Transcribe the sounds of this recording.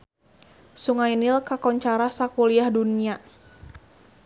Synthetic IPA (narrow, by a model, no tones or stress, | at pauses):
suŋajnilkakɔɲt͡ʃaɾasakuliahdunia